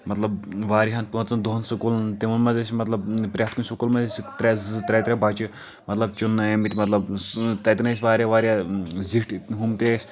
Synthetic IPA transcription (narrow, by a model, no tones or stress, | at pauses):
mɐt̪lɐbʋaːɾiɦɐnt̪ʋɐt͡sɐnd̪oɦɐnsukult̪iʋɐnmɐzesʲimɐt̪lɐbpɾʲaːt̪kunʲsukulmɐzesʲit̪ɾʲɛzt̪ɾʲɛt̪ɾʲɛbɐt͡ʃi | mɐt̪lɐb̚t͡ʃunːɐjɐmit̪ʲimɐt̪lɐbst̪ɐt̪nɐsʲʋaːɾʲjaʋaːɾjaziʈɦumt̪esʲ